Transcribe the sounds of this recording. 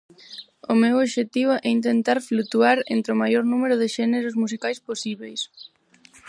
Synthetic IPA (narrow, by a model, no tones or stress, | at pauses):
ʊmewoβʃet̪iβʊʔɛint̪ent̪aɾflut̪uaɾḛnt̪ɾɪʊmajoɾnumeɾʊðɪʃɛneɾʊsmusikajsposiβejs